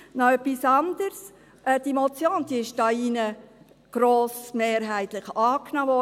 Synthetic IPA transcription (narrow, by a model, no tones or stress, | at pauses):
nɔœpːisɑnd̪əɾs | ʔɛd̥imɔt͡sjoːnd̥iɪʃd̥ɑinə | ɡ̥ɾoːsmeːɾɦæɪt̪lɪχɑːknɑːʋɔ